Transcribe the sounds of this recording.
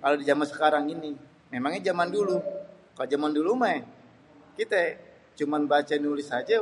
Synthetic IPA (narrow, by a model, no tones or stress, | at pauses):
kalodid͡ʒamansə̥kaɾaŋini | memaŋɲɛd͡ʒamandulu | kalod͡ʒamanduluma | kit̪ɛ | t͡ʃumanbat͡ʃanulɪsad͡ʒa